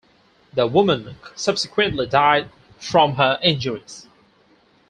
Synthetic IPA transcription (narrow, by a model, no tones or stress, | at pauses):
ðəwʊmə̃nsʌb̥sɪkʰwɨ̃nʔlidaɪd̚ | fɹɔ̃mɦəʔɪ̃nd͡ʒəɹiz̥